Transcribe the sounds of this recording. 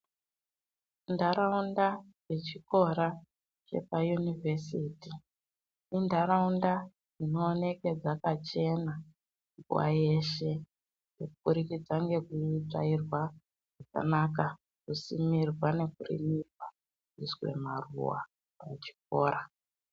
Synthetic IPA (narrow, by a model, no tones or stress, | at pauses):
ndaɾaundajet͡ʃiko̞ɾa | t͡ʃe̞̰pajunivʱesiti | indaɾaunda | ino̞ːne̞ke̞d͡zakat͡ʃe̞na | ŋɡṵwa̰je̞ʃe̞ | jekuɓuɾikid͡zaŋɡe̞kuita̰irwa | ʐ̥aka̰naka | kusimirwane̞kurḭmikwa | ʐiswe̞̰marṵwa̰ | at͡ʃi̥k̚oːɾa